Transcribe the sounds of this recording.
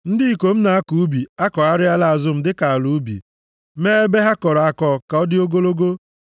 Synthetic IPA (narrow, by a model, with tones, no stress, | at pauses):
n̩˦dɪ˦i˨ko˨m̩˦na˨a˦ku˨u˦bi˨a˦kɔ˨a˦ɾɪ˦a˦la˦a˨zʊ˦m̩˦dɪ˦ka˨a˨lu˨˦bḭ˨ | meː˦e˦be˦ɦa˦kɔ˨ɾɔ˨a˨kɔ˨ka˨ɔ˦dɪ˦o˦ɡo˦lo˦ɡo˦